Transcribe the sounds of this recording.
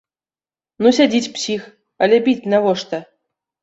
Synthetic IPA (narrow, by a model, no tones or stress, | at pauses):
nusʲadʲit͡sʲpsʲix | alʲebʲit͡sʲnavoʂt̪ɐ